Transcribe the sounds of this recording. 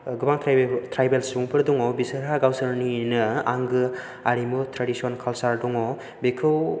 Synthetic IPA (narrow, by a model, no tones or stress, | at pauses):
ɡɯbaŋtʰɾtʰɾajbelsɾuŋpʰɯɾdɔŋɔbisɯɾɦaɡawsɯɾninɯaŋɡɯ | aɾimɯtʰɾadisionkʰalsaɾdɔŋɔ | bekʰɯw